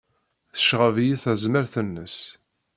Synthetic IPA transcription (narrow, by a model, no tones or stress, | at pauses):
θə̥ʃʁəvjiθæzməɾθənːəs